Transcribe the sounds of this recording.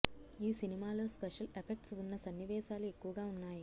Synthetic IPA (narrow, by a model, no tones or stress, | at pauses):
iːsinimaːlo̞ːspeʂɐlepʰek̚ʈsunːɐsɐnːiʋɛːʃaːlue̞kːuʋɐɡaːunːaːji